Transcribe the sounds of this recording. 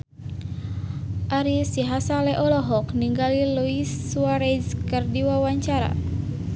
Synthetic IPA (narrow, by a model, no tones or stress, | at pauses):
ʔaɾisiɦasalɛʔɔlɔɦɔkniŋɡalilɔisuwaɾeskərdiwawaɲt͡ʃaɾa̰